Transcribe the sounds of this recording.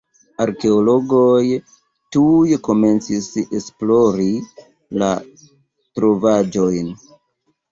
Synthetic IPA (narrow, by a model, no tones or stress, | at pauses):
aɾke̞olo̞ɡo̞j | tujko̞me̞nt͡sisesplo̞ɾi | la̰ | tɾo̞vad͡ʒo̞jn